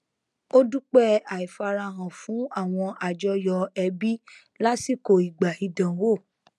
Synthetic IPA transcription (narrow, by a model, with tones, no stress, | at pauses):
o˦du˦k͡pɛ˦a˨i˨fa˧ɾa˧ɦã˨fũ˨˦a˦˨w̃ɔ̃˧ʔa˨d͡ʒɔ˧jɔ˧ɛ˧bi˦ | la˦si˦˨ko˨i˨ɡ͡ba˨i˧dã˨˦wo˦˨